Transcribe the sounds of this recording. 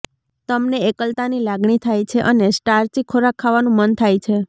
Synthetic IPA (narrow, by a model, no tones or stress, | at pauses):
t̪əmneekəlt̪anilaɡɳit̪ʰajt͡ʃʰeʔənesʈaɾt͡ʃikʰoɾakʰaʋanũmənt̪ʰajt͡ʃʰe